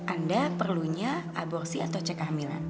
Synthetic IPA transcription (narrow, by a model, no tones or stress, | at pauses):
ʔandapərluɲaabɔrsiat̪awt͡ʃəkahmila̰n